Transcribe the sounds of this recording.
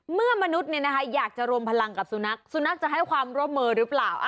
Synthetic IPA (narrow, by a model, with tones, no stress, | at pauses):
mɯ˥˩ɐma˧nu˦˥t̪̚ni˥˩na˦˥kʰa˦˥jaː˨˩k̚t͡ɕa˨˩ɾu˧əmpʰa˧la˧ŋka˨˩p̚su˧˦na˦˥k̚su˧˦na˦˥k̚t͡ɕa˨˩ɦa˥˩jkʰwaː˧mɾu˥˩əmːɤː˧ɾɯː˦˥plaː˨˩wʔa˧˩